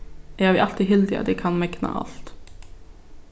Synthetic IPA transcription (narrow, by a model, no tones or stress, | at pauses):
ɛːæɾʋiːʔɑlt̪ɪɦɪld̪ɪɑ̰t̪d̪ɛkʰɑnmɛknɑ̰ʔɑ̰lt̪